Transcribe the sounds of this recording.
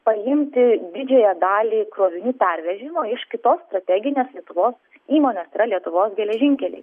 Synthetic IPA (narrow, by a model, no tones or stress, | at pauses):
pɐjɪmʲt̪ʲɪd̪ʲɪd͡ʒʲɛjɛd̪ɑːlʲiːkɾoːʋʲɪnʲɪpʲæɾʲʋʲɛʒʲɪmoːɪʃkʲɪt̪oːsst̪ɾɐt̪ʲæːɡʲɪnʲeːslʲiɛt̪ʊʋoːs | iːmoːnʲeːsiːɾɐlʲiɛt̪ʊʋoːsɡʲɛlʲɛʒʲɪŋʲkʲɛlʲɛ̰ɪ